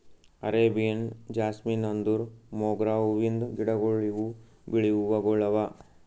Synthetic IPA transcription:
ɐɾeːbijɐnd͡ʒaːsminɐnd̪uɾmoːɡɾaːʋuʋind̪uɡiɽɐɡoɭːiʋu | biɭiʋuʋɐɡɔɭːɐʋa

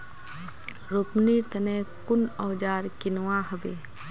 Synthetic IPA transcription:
ɾʊpnit̪ɐnẽːkʊnɔːd͡ʒaːɾkɪnwaːɦɐbeː

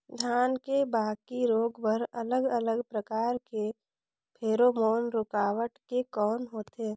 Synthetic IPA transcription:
d̪ʱjaːnkebaːkiɾoːɡʋəɾələɡələɡpɾəkaːɾke | pʰeːɾoːmoːnɾʊkaːʋəʈkekɔːnɦoːt̪eː

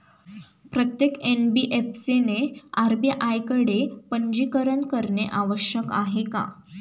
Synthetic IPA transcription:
pɾət̪jekenbiʔefseneaɾbjəʔajkəɽepəɲd͡ʑikəɾəɳkəɾɳeʔaʋəɕjəka̰ɦeka̰

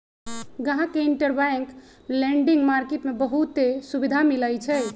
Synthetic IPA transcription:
ɡəɦãkeiɳʈəɾbaŋk | leɳɖiŋɡmaɾkeʈmebəɦut̪ːesubid̪ʱamiləjt͡ʃʰɛ

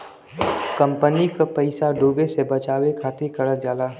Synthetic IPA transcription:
kɐ̃mpənikapɐɪsaɖuːbesebɐt͡ʃaːwekʰaːt̪ikɐɽəd͡ʒaːlaː

